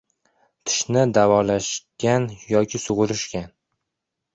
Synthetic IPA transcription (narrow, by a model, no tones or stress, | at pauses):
t̪ʰɪ̥ʃnɪd̪avɒlaʃɡʲanjɒkʲʰɪsʊʁʊɾɪʃkʲan